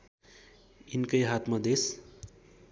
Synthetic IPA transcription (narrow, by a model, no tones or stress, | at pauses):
inkʌjɦat̪mʌd̪es